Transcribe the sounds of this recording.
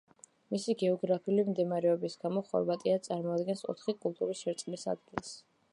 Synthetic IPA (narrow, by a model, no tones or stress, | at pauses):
misiɡɛɔɡɾapʰiulimd̪imaɾɛɔbisɡ̥amɔχɔ̰ɾvat̪ʼiat̪sʼaɾmɔad̪ɡɛnsɔ̰t̪ʰχikʼulˠt̪ʼuɾisʃɛɾt̪sʼmisa̰d̪̚ɡilˠs